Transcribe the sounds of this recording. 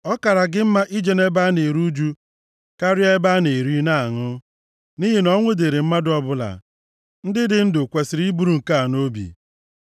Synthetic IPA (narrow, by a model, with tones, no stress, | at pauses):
ɔ˦ka˨ɾa˨ɡɪ˦m̩˦ma˦ʔi˦d͡ʒe˦ne˦ba˦ne˨ɾu˦d͡ʒu˦ | ka˦ɾɪ˦a˦e˦ba˦ne˨ɾi˦na˦˨a˨ŋʊ˦ | ni˦ɦi˦nɔ˦ŋʷʊ˦de˨ɾe˨m̩˦ma˦dʊ˦ɔ˦bʊ˦la̰˨ | n̩˦dɪ˦dɪ˦n̩˦dʊ˨kʷe˨sɪ˨ɾi˦bu˦ɾu˨ŋ̩˨ka˦a˨no˦bḭ˨